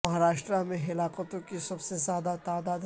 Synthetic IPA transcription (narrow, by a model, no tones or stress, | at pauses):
mɐɦaɾaːʃʈɾamẽɦɪlaːqət̪õkisɐbsezjaːd̪at̪aːd̪aːd̪